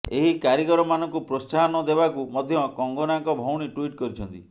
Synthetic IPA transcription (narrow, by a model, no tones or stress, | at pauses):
eɦikaɾikɔɾɔmanɔŋkupɾɔstʰaɦɔnɔd̪ebakumɔd̪ʱjɔkɔŋɡɔnaŋkɔbʱɔwɽ̃iʈuiʈkɔɾit͡ʃʰɔnt̪ḭ